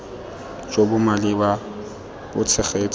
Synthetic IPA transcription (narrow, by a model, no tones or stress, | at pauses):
t͡ʃʼobʊmalɪba | bʊt͡sʰɛχeːt͡sʼ